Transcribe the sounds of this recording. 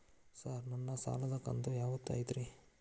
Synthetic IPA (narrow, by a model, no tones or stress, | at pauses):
saɾnɐnːɐsa̰ːlɐd̪ɐkɐ̰nt̪ujaːʋut̪ːa̰ːjd̪ɾi